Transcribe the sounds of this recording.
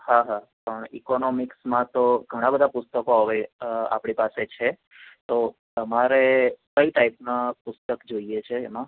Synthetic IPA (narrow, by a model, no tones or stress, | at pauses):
haɦapəɳḭkonɔmiksmãt̪oɡʱəɽ̃ãbəd̪ʱapʊst̪əkoɦəʋea̰pɽ̃ipaset͡ʃʰe | t̪ot̪əmaɾekəiʈaipnapʊst̪əkd͡ʒoiet͡ʃʰeːmã